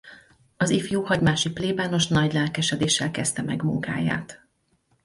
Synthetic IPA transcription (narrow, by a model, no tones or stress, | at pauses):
ɒzifjuːhɒɟmaːʃipleːbaːno̞ʃnɒɟlɛlkɛʃɛd̪eːʃːɛlkɛst̪ɛmɛɡmṵŋka̰ːja̰ːt̪